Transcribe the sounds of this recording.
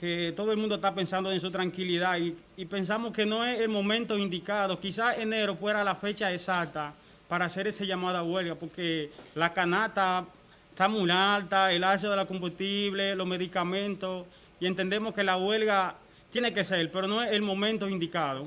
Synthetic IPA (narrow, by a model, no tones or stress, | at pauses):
ket̪o̞ðoelmũnd̪ost̪ape̞nsand̪oens̬ut̪ɾaŋkiliðaiipe̞ns̬amo̞ske̞no̞eselmõ̞mẽnt̪oind̪ikaðo̞kisase̞neɾofwe̞ɾalafe̞t͡ʃaesak̚t̪a | paɾaːse̞ɾeseʝamaðaβwe̞lɣapo̞ɾke̞lakanat̪a | t̪amulalt̪ae̞las̬joðe̞lako̞mbust̪iβle̞lo̞sme̞ðikamẽ̞nt̪os | ie̞nt̪end̪e̞mo̞ske̞laɣwe̞lɣa | t̪je̞ne̞ke̞se̞lpe̞ɾo̞no̞eselmõ̞mẽnt̪oind̪ikaðo